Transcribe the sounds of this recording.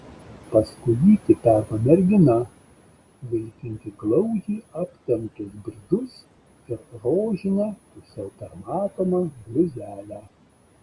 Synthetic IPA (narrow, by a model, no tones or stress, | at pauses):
pɐskʊɪʋʲiːt̪ʲɪpʲæːɾkomʲɛɾʲɡʲɪnɐ | ʋɐɪkʲɪŋʲk̪ʲɪɡlˠɐʊd͡ʒʲiːɐpʲt̪ʲɛmt̪ʊsbʲɪɾd̪ʊs | ɪɾɾoːʒʲɪnʲɛpʊsʲɛʊpʲɛɾmɑːt̪oːmɐɡlʲʊzʲæːlʲæ